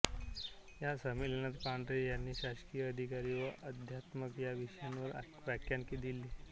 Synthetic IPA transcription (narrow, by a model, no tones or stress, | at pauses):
jasəmilenat̪paɳɖɾejanːiːɕaɕkijəəd̪ʱikaɾiʋəʔəd̪ʱjat̪məkjaʋiɕjanʋəɾ̰ | ʋjakjankid̪ilːiː